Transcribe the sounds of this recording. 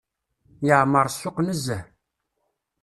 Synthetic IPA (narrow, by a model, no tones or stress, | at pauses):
jəʕməɾˤsːʊqnəzːæ